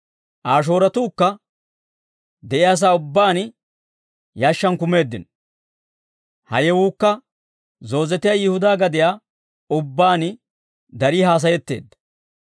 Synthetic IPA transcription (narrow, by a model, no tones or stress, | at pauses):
ʔaːʃ̬o̞ːɾɐt̪uːkːɐ | d̪ɛʔɪjaːs̬aːʊbːaːn | jaːʃːɐnkʊme̞ːd̪ːɪ̰n | hɐ̰jɛwuːkːɐ | zo̞ːzɛt̪ɪjaːjɪhʊd̪aːɡɐd̪ɪjaː | ʊbːaːn | d̪ɐɾiːɦaːs̬ɐjɛt̪ːe̞̰ːd̪ːɐ̥